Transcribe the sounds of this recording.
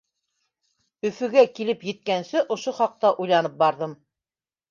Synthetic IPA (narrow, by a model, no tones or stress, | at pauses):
ɵ̆fɵ̆ɡækilɘpjɘ̆t̪̚kænsɘʔŏʃoχɑq̚t̪ɑʔujlˠɑnɤp̚bɑɾðɤm